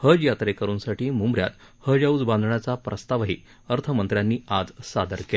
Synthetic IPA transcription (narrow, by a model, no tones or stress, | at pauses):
həjat̪ɾekəɾuːnsaʈiːmumbɾja̰t̪ | həd͡ʑaud͡zbãnd̪ʱɳjat͡sapɾʔəst̪aʋɦiː | əɾt̪ʰəmənt̪ɾjanːiːad͡zsad̪əɾkel